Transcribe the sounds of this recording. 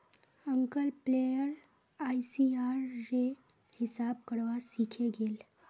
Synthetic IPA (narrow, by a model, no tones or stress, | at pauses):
əŋkəlplejəɾ | aisiaɾːe | hɪsab̚kəɽʋasikʰeɡeːl